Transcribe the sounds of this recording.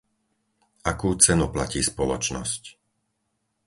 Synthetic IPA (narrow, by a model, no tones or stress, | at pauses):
ʔakuːt͡sɛnuplaciːspɔlɔt͡ʃnɔ̰sc